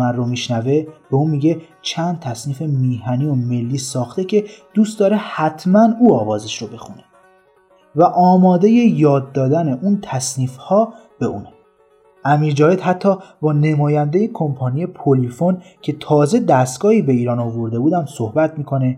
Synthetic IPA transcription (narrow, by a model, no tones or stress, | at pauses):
mænromiːʃnæve̞b̥e̞uːmiːɟe | t͡ʃʰænd̪̚t̪ʰæsniːfe̞miːɦæniːome̞lːiːsɒːxt̪ecʰe̞d̪̥uːst̪̚d̪ɒːɾe̞hæt̪ʰmænuːɒːvɒːzeʃɾobe̞xune | væʔɒːmɒːd̪e̞je̞jɒːd̪ːɒːd̪æneʔunt̪ʰæsniːfhɒː | b̥e̞ṵːne | ʔæmiːɾd͡ʒɒːve̞d̪ɦæt̪ʰːɒːbɒːnemɒːjænd̪ejekʰo̞mpʰɒːnije̞pʰolifon | cʰe̞t̪ʰɒːze̞d̪æst̪ɡ̥ɒːhiːbe̞iːɾɒːnovo̞ɾd̪e̞buːd̪æmso̞hbæt̪ʰmiːkʰo̞ne̞